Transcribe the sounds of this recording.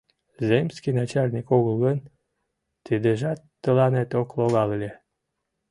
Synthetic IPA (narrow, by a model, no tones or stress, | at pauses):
zemskinɑt͡ɕɑlʲnʲikoɣəlˠɣən | t̪id̪eʒɑt̪ːə̆lɑnet̪okloɣɑlelʲe